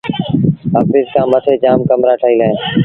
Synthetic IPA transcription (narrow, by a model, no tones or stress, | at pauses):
ɦəːfɪzkãːmət̪ʰeːd͡ʒaːmkəmɾaːʈʰəːiːlaːẽː